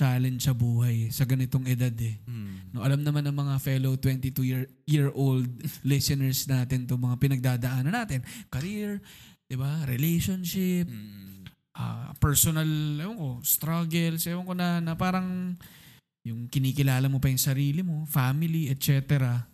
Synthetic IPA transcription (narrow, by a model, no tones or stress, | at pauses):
t͡ʃaːlɛnsɐbuːɦɐjsɐɡɐnɪt̪o̞ŋɛd̪ad̪ɛnoʔɐlamnɐmanːɐŋmɐŋafɛlowt̪wɛnt̪it̪ujiɹ | jiɹʔold̪̚lɪsɪnɛɹsnaːt̪ɪnt̪ʊŋmɐŋapɪnɐɡ̚d̪aːd̪ɐʔaːnɐnːaːt̪ɪnkɐɾiɹd̪̥ɪbaɾɛlɛjʃonʃɪp̚ | ʔɐ̰pɛɹsonɐlɛwoŋko̞st̪ɾaɡɛlsɛwoŋkonɐnɐpaːɾɐŋ | jʊŋkɪniːkɪlaːlɐmopɐjʊŋsɐɾiːlɪmo̞famɪliɛt̪̚t͡ʃɛːt̪ɛɾɐ